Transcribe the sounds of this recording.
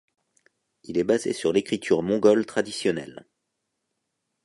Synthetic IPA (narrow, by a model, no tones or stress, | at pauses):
ilɛbazḛsyʁlekχit̪ʰyʁmɔ̃ɡɔlt̪χad̪isjɔnɛ̰l